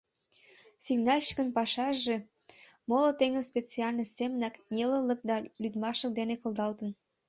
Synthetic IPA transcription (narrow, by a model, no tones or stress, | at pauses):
siɡnɑlʲɕə̥kənpɑʃɑʒe | molot̪eŋəspʲet͡siɑlʲnəsemənɑknʲelələ̆k̚d̪ɑlyd̪mɑʃək̚d̪enekə̆ld̪ɑlt̪ə̆n